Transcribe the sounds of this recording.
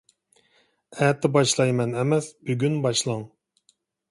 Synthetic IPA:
ɛt̪ʰːɪbɑʃlˠɑjmɛnɛmɛsbyɡʲynbɑʃlˠɑŋ

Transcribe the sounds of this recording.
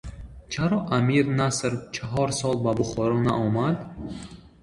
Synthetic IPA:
t͡ʃʰaɾɔʔamiɾnasɾt͡ʃʰaɦɔɾsɔlbabuχɔɾɔna̰ʔɔmad̪

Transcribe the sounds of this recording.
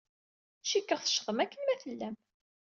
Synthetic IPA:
ʃikːəʁθə̥ʃʁəmækːənmæθəlːæm

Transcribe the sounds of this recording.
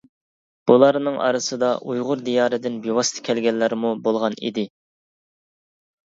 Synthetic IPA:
b̥ulˠɑɾnɨŋʔɑ̰ɾɨsɨd̪ɑʔujʁʊɾd̪ijɑːɾɨd̪ɪnbiwɑst̪ʰɪ̥kʲʰɛlɡʲɛlːæɾmubolˠʁɑnḭd̪ɪ

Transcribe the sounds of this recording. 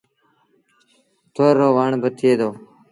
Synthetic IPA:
t̪ʰoːɾoːʋaːɳbət̪ʰeːd̪oː

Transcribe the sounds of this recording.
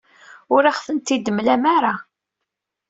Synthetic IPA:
ʊɾaχfənt̪id̪əmlæmaɾa

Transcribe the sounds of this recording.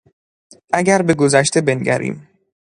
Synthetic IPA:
ʔæɟæɾbe̞ɡozæʃt̪e̞be̞nɟæ̰ɾʔḭːm

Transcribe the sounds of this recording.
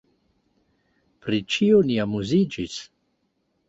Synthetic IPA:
pɾit͡ʃioniamuzid͡ʒis

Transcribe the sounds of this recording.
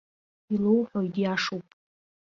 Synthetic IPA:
ilowħʷoidjaʂuwpʼ

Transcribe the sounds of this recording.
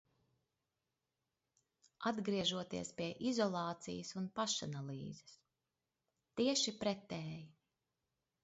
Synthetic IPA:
ad̪ɡɾiɛʒuɔt̪ḭɛspiɛʔizɔlˠɑːt̪sḭjɐsunpaʃanalˠḭːzɛ̥s | t̪iɛʃipɾɛt̪ɛːji

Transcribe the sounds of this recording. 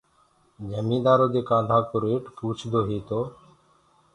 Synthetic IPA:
d͡ʒəmĩːd̪aːɾoːd̪eːkãːnd̪ʱãːkʊɾeːʈpuːt͡ʃʰd̪oːɦeːt̪oː

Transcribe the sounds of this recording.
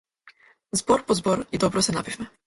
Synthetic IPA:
zbɔɾpɔzbɔɾid̪ɔbɾɔsɛnabivʲmɘ

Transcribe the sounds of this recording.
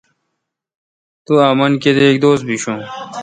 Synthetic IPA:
t̪uaːmɐnked̪eːk̚d̪oːs̚biɕũː

